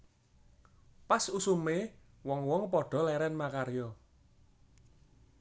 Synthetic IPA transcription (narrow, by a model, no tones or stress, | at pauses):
pasusume | wɔŋwɔŋpɔɖ̥ɔ̤lɛɾɛnmakaɾjɔ